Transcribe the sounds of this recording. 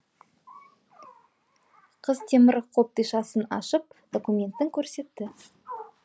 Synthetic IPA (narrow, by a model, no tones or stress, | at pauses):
qʰəzt̪ʰe̞mɪɾqʰo̞p̚t̪əjʃɑsənɑ̰ʃəp̚d̪̥o̞kumʲe̞nt̪ːɪŋkʲʰɵɾse̞t̪ːɪ